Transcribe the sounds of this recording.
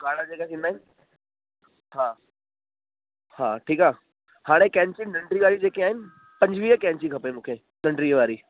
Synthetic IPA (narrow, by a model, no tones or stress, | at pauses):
kaːɽə̃d͡ʑeːkasĩnd̪aːɦɪnɪ | haː | haːʈʰiːkaː | haːɽ̃ekɛ̃ːɲt͡ɕinəɳɖɾiʋaːɾid͡ʑeːkiaːɦɪnɪ̆ | pɐ̃ɲd͡ʑʋiːɦəkɛ̃ːɲt͡ɕikʰɐpemũːkʰeː | nə̃ɳɖɾiʋaːɾi